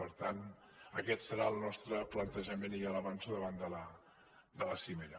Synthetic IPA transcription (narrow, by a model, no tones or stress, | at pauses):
əɾt̪an | əkɛt̪səɾaəlˠnɔst̪ɾəplənt̪əʒəmeniələβansuðəβand̪ələ | d̪ələsimeɾə